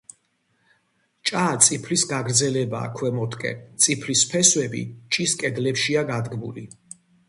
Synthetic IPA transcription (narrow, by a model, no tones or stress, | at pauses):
t͡ʃʼat̪sʼipʰlisɡaɡɾd̪zɛlɛba̰ːkʰwɛmɔt̪ʰʼkʼɛ̰t̪sʼipʰlispʰɛswɛbḭt͡ʃʼiskʼɛd̪lɛpʃiaɡad̪ɡmulḭ